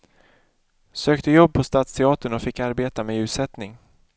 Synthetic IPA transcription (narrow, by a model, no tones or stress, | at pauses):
søːkt̪əjɔbːpʰɔst̪ɑːt̪st̪ʰɛɑːt̪əɳɔfɪkːaɾbeːt̪ameːʉ̟ːt̪sɛt̪nɪŋ